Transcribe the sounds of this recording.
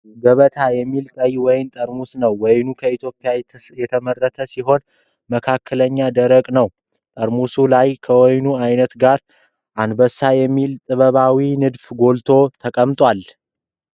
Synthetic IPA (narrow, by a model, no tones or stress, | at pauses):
ɡəβət̪ʰajɛmːilkʼəjwɔjɪmt̪ʼəɾmusnəwːɔjnukʰəit̪ʰjo̞pʼːijajɛt̪ʰəmərːət̪ʰəsiɦo̞n | məkʰakʰːələɲːad̪əɾəkʼnəw | t̪ʼəɾmusulajkʰəwɔjnuajnət̪ɡaɾ | ʔand̪bəsːajɛmːilt̪ʼɨβəβawinɨd̪fɡo̞lt̪ʰo̞t̪ʰəkʼəmt̪ʼwal